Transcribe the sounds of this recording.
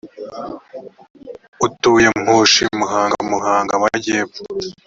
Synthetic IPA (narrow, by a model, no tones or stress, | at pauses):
utujemhuːʃimuɦaːŋɡamuɦaːŋɡamaɟeβu̥